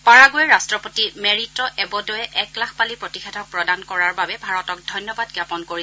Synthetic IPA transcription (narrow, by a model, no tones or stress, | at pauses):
paɹaɡojɛɹastɹɔpotimeɹitɔʔɛbɔdojɛʔɛklakʰpalipɹotixɛtʰɔk̚pɹɔdankɔɹaɹbabɛbʱaɹɔtɔk̚dʱɔjnjɔbadɡjapɔnkoɹis